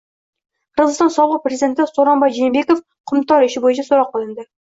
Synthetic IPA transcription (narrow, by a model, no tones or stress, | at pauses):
qʰəɾʁəzɨst̪ɑnsɒlˠəq̚pɾezid̪ʲe̞nt̪ɪsoɾɑnbɑjʒejembe̞kof | qʰʊmt̪ɑɾɪʃɪbojɪʃʰɑsoɾɑqːəlˠɪ̆nd̪ɪ